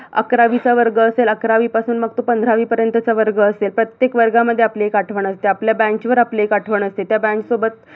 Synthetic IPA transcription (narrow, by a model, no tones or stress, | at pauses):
ə̰kɾaʋit͡saʋəɾɡəːseləkɾaʋiːpasuːnməɡ̚t̪opənd̪ʱɾaʋiːpəɾjənt̪ət͡saʋəɾɡəːselpɾət̪jekʋəɾɡaməd̪ʱːjeapleekaʈʰʋəɳəst̪eapljabæ̃ɲt͡ɕʋəɾapleekaʈʰʋəɳəst̪et̪jabæ̃ɲksobət̪̚